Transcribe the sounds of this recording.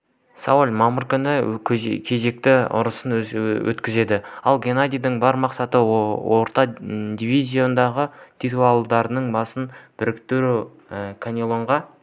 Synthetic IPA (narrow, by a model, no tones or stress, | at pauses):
sɑwulʲmɑməɾkʲʏnɪkʲʰe̞ze̞k̚t̪ɪʊ̰ɾəsənwɵ̰t̪kʲɪze̞d̪ɪɑlˠɡʲenad̪ʲijd̪ɪɴbɑɾmɑqsɑt̪əwʔoɾt̪ɑd̪ʲivʲizʲio̞nd̪ɑʁət̪ʲʰit̪ualˠd̪ɑɾnəɴbɑsənb̥ɪɾɪkt̪ɪɾu | kʰanʲilˠo̞ɴʁɑ